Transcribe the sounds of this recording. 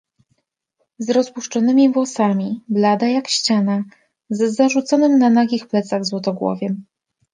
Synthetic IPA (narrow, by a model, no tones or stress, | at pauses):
zɾɔspuʂt͡ʂɔnɘmʲivwɔsamʲiblad̪ajakɕt͡ɕana | zɛzaʐut̪sɔnɘmnanaɡʲixplɛt̪saɣzwɔt̪ɔɡwɔ̰vʲjɛ